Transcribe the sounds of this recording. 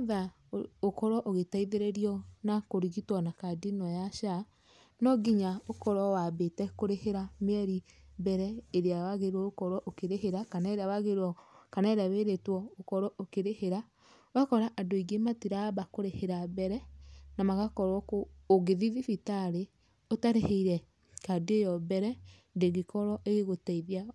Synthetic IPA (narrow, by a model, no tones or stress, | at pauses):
ða | okɔɾwɔʔoɣetaiðeɾeɾiɔnakoɾiɣitwɔnakadinɔjaʃa | nɔɡiɲaokɔɾwɔwabetɛkoɾeheɾameɛɾibɛɾɛeɾeawaɣeɾwɔokɔɾwɔʔokeɾeɦeɾakanaeɾeawaɣeɾwɔkanaeɾaβeɾetwɔokɔɾɔʔokeɾeheɾa | wakɔɾaʔadoiɡematiɾabakoɾeheɾabɛɾɛnamaɣakɔɾwɔkoːɣeðiðifitaɾe | otaɾeheiɾɛ | kadejɔbɛɾɛ | deɣikɔɾɔʔeɣeɣotɛiðia